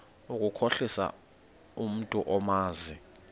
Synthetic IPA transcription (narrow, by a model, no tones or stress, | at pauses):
ukʼukʰoɬisa̰ | um̩tʼuʔɔmaːzi